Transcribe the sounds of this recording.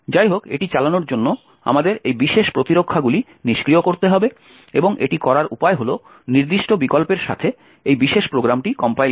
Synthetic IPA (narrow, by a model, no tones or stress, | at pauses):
d͡ʑajɦokḛʈit͡ɕalanoɾd͡ʑonːo | a̰mad̪eɾejbiʃeʃpɾot̪iɾokʰːaɡuli | niʃkɾiokoɾt̪eɦɔbe | eboŋʔḛʈikɔɾaɾʔupaeɦolo | niɾd̪iʃʈobikolpeɾʃa̰t̪ʰe | ejbiʃeʃpɾoɡɾamʈikɔmpaj